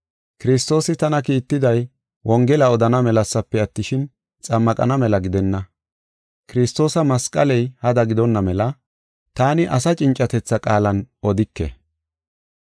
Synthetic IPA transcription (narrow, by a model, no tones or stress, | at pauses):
kɪɾɪs̬t̪o̞ːsɪt̪ɐnɐkiːt̪ːɪd̪ɐj | wʔɔŋɡɛlɐɔd̪ɐnɐmɛlɐsːɐpːɛɐt̪ːɪʃɪn | t͡sʼɐmːɐkʼɐ̰nɐmɛlɐɡɪd̪ɛnːɐ | kɪɾɪst̪o̞ːsɐmɐskʼɐlɛjhɐd̪ɐɡɪd̪ɔnːɐmɛlɐ | t̪aːnɪʔɐsɐt͡ʃʼɪnt͡ʃʼːɐt̪ɛt͡sːɐkʼaːlɐnɔd̪ɪkːɛ̰